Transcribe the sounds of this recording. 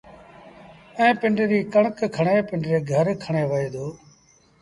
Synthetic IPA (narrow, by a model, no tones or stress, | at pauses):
ɛ̃ːpɪɳɖɾiːkəɳ̃əkkʰəɳeːpɪɳɖɾeːɡʱəɾkʰəɳ̃eːʋəeːd̪oː